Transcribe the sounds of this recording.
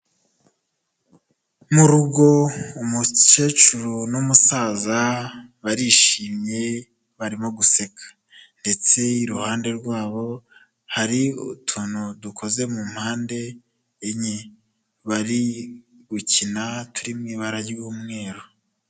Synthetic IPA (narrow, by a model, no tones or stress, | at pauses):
muɾuɡo̞umut͡ʃe̞ːt͡ʃuɾunumusaːzaβaɾiʃiːmɲe̞ | βaɾimo̞ɡuse̞kʰḁ | nde̞t͡se̞iɾuhaːnde̞ɾɡwaːβo̞ | haɾiutʰuːnudukʰo̞ze̞mumhaːnde̞ː | ɲe | βaɾi | ɡucinatuɾimŋiβaɾajɟiɡuːmŋe̞ːɾo